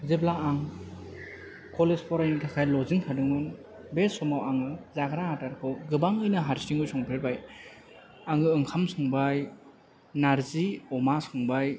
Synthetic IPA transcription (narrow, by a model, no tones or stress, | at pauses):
zeblaaŋ | kʰɔlespʰɔɾajiŋkʰakʰajlɔziŋkʰadɯŋɯnbesɔmawaŋɯzaɡɾahataɾkʰɯwɡɯbaŋɯjnɐɦaɾsiŋɯjsɔŋpʰeɾbaj | aŋɯɯŋkʰamsɯŋbaj | naɾziɔmasɯŋbaj